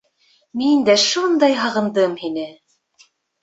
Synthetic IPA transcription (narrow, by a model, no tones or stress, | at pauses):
mind̪æʃund̪ɑjɦɑʁɤ̆nd̪ɤmhinɘ